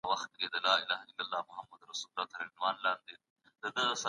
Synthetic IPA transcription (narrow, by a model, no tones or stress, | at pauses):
wɐxt̪̚ked̪əlaːɪlaːɦaɪlːɐlːaːmʊɦɐmːɐd̪ɾɐsuːlːaːt̪ʰɐɾɐɪnwaːnlaːnd̪e | d̪̥əd̪əsa